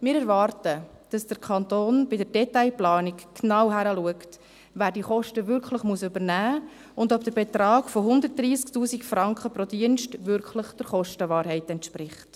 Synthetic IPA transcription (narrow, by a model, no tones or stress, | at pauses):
mɪːɾɛɾʋɑːrtə | d̥ɑsd̥əɾkʰɑntoːnb̥ɪdəɾd̥ɛtaɪplɑːnikːnɑwɦæɾəluəkt | væːɾdiəχɔʃtəʋʏɾkχləχmuəsʏbəɾnæː | ʊndɔpd̥əɾbet̪ɾɑːɡfoɦʊndərt̚d̥ɾiːsktuːsikfɾɑŋkχəpɾodiənʃtʋʏɾkχləχd̥əɾχɔʃtəʋɑːɾhɛɪtɛntʃpɾɪχt